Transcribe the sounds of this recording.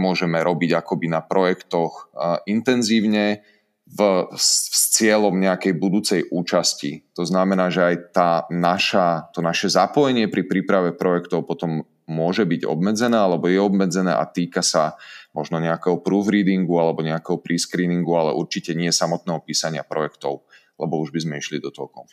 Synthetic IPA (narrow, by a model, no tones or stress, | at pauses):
mʊɔʒɛmɛɾɔbiɟakɔbinapɾɔjɛkt̪ɔxint̪ɛnziːʊɲɛ | v | st͡sɪɛlɔmɲɛakɛjbud̪uːt͡sɛjʔuːt͡ʃascḭt̪ɔznamɛnaːʒɛajt̪aːnaʃat̪ɔnaʃɛzapɔjɛɲɪɛpɾipɾiːpɾaʋɛpɾɔjɛkt̪ɔʊpɔt̪ɔmː | ʊɔʒɛbiɟɔ̰bmɛd͡zɛnɛːalɛbɔjɛɔbmɛd͡zɛnɛ̰ːʔa̰t̪iːkasamɔʒnɔɲɛakɛːɦɔpɾuːfɾiːd̪iŋɡualɛbɔɲɛakɛɦɔpɾiskɾiːniŋɡualɛ̰ʔuɾt͡ʃicɛɲɪɛsamɔt̪̚nɛːɦɔpiːsaɲɪa̰pɾɔjɛkt̪ɔʊ | lɛbɔuʒbizmɛiʃlid̪ɔt̪ɔ̰kɔ̰